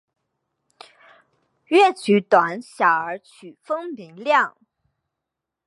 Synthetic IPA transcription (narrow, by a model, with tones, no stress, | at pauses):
ɥɛ˥˩t͡ɕʰy˧˥t̪wa˧˥nɕjɑ˨˩ə˞˧˥t͡ɕʰy˨˩fɤ˥ŋmi˧˥ŋljɑ˥˩ŋ